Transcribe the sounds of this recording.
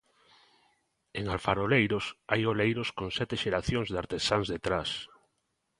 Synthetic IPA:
eŋalfaɾolejɾosajolejɾoskõŋsɛt̪eʃeɾaθjõŋzðaɾt̪esaŋzðet̪ɾas

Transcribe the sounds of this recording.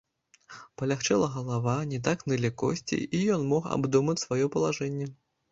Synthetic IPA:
pɐlʲaxt͡ʂɛlˠɐɣɐlˠavanʲɛt̪̬aknɨlʲikɔ̰sʲt͡sʲḭijɔnmɔxa̰bd̪umɐt͡sʲsvajɔpɐlˠaʐɛnʲːɛ

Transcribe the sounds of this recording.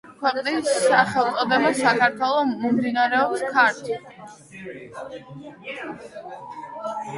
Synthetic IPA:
kʰwɛqʼnisːaχɛlˠt̪sʼɔd̪ɛbasakʰaɾt̪ʰwɛlˠɔmɔmd̪inaɾɛɔpskʰaɾt̪ʰ

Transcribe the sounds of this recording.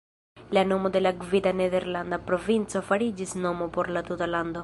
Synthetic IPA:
lano̞mo̞de̞laɡvidanede̞ɾlandapɾo̞vint͡so̞faɾid͡ʒisno̞mopo̞ɾlat̪utalando̞

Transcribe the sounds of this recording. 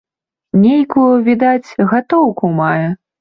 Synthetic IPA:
nʲejkujuvʲid̪at͡sʲɣat̪ɔwkumajɛ

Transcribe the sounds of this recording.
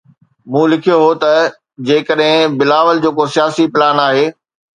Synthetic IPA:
mũːlɪkʰijoɦot̪ɐ | d͡ʑeːkəɗɦɪ̃bɪlaːʋəld͡ʑoːkosijaːsipɪlaːnaːɦeː

